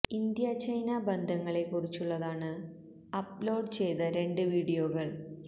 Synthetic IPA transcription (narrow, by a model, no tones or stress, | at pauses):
ind̪jɐt͡ɕɐjnabend̪ʱɐŋːɐɭe̞kːurit͡ɕːuɭːɐðaːɳɨ | ɐplo̞ːɖt͡ɕe̞jt̪ɐɾe̞ɳɖɨʋiːɽijo̞ːɣɐɭ